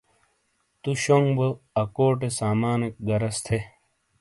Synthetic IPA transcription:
t̪uɕoŋɡbɐɐkoːʈ̬esaːmaːnik̚ɡɐɾɐst̪ʰe

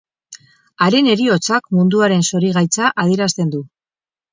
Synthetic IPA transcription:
aɾe̞ne̞ɾio̞t͡sakmund̪uaɾe̞nso̞ɾiɣajt͡saʔað̞ieɾast̪e̞nd̪u

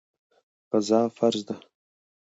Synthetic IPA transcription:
qazɑːfaɾʒd̪a

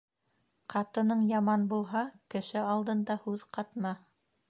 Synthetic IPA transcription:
qɑt̪ɤ̆nɤɴjɑmɑnbulˠɦɑkɘ̆ʃɘɑlˠd̪ɤ̆nd̪ɑhʉðqɑt̪mɑ

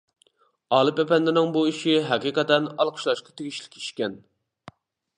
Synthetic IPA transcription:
ɑːlˠɨpɛpɛnd̪ɪnɪŋbuiʃiɦæqiqʰɛt̪ɛnɑlˠqʰə̥ʃlˠɑʃqɑ̥t̪ʰeɡʲiʃlɪ̥kʲi̥ʃkʲɛn

